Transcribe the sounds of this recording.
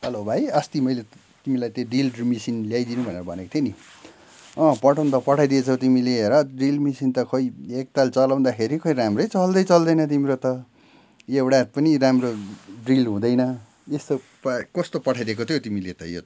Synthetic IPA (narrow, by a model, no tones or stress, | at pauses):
hʌlobʱajʌst̪imʌjle | t̪imilajt̪jeɖilmisinljajd̪inũbʱʌneɾʌbʱʌneko̥t̪ʰjoni | ʌ̃pʌʈʰaw̃nt̪ʌpʌʈʰajd̪iet͡sʰʌwt̪imileɦeɾʌɖilmisint̪ʌkʌjek̚t̪alt͡sʌlaw̃d̪akʰeɾikʰʌjɾamrʌjt͡sʌld̪ʌjt͡sʌld̪ʌjnʌt̪̬imiɾot̪ʌ | ewɽapʌniɾamroɖrilɦũd̪ʌjnʌ | est̪o | pkʌst̪opʌʈʰajd̪ekot̪ʰjot̪imilet̪ʌ̰jo̰